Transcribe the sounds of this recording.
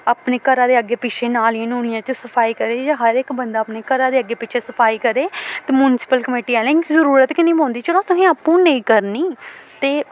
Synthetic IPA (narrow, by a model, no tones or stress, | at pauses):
aːpneːkəɾãːd̪eːəɡːeːpɪt͡ʃʰeːnaːlẽnuːnijãːt͡ʃəsəpʰaːiːkəɾeːd͡ʒãɦəɾɪkbənd̪aːpneːkəɾãːd̪eːəɡeːpɪt͡ʃʰeːsəpʰaːiːkəɾeːt̪eːmuːnɪsɪ̥pəlkəmeːʈiːɛːlẽzəɾuːɾət̪kɪnĩːbõːnd̪iːt͡ʃəloːt̪ʊsĩːaːpːũːnəĩːkəɾniːt̪eː